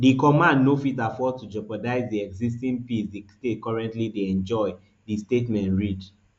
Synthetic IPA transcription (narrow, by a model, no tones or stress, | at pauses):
dikɔmãndnofitafɔd̚tud͡ʒɔpɔdaɪzdiɛɡzis̬tĩnpisdistet̚kɔɹɛ̃ntlideɛ̃nd͡ʒɔɪ | distetmɛ̃ntɹid